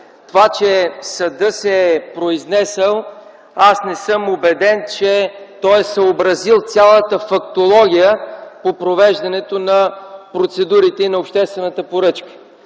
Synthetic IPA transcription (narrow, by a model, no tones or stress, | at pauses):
t̪ovat͡ʃɛsɐd̪ɤsɛpɾoiznɛsɛlˠ | asnɛsɤmobɛd̪ɛnt͡ʃɛt̪ɔjɛsəobɾɐzilˠt̪sʲalˠət̪əfɐkt̪olˠɔɡʲijəpopɾovɛʒd̪ɐnɛt̪onɐpɾot̪sɛd̪uɾit̪ɛinɐopʃt̪ɛst̪vɛnət̪əpoɾɤt͡ʃkə̥